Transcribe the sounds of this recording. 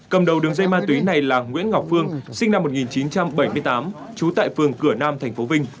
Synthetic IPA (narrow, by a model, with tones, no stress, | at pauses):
kə˨˩mɗə˨˩wɗɨ˨˩əŋzə˧jmaː˧t̪wi˨˦na˨˩jlaː˨˩ŋwḭ˧˥ənŋɔ˨˩wk͡p̚fɨ˧əŋsï˧ŋ̟na˧mːo˨˩t̚ŋi˨˩nt͡ɕi˨˦nt͡ɕa˧mɓə˧˩jmɨ˧jt̪aː˨˦m | t͡ɕu˨˦t̪a̰ː˧˨jfɨ˨˩əŋkɨ˧˩ənaː˧mt̪ʰɛ˨˩jŋ̟fo˨˦vï˧ŋ̟